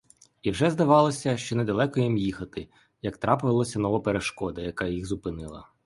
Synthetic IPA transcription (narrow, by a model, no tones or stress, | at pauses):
iwʒɛzd̪ɐʋɑlˠɔsʲɐʃt͡ʃɔnɛd̪ɐlˠɛkɔjimjixɐt̪ɪ | jɐkt̪ɾɑpʊʋɐlˠɔsʲɐnɔʋɔpeɾeʃkɔd̪ɐjɐkɑjiɣzʊpɪnɪlˠɐ̰